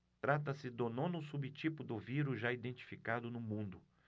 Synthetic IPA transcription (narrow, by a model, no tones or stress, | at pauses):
t̪ɾat̪̬ɐsɪd̪onõnʊsubit͡ʃipʊd̪ʊviɾʊzʒaid̪ẽnt͡ʃi̥fikad̪ʊnʊmũnd̪ʊ